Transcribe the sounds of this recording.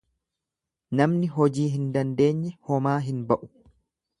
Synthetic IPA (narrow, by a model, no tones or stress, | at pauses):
nɐmnɪɦɔd͡ʒiːɦɪnd̪ɐnd̪e̞ːɲːɛhɔmaːɦɪnbɐʔʊ̥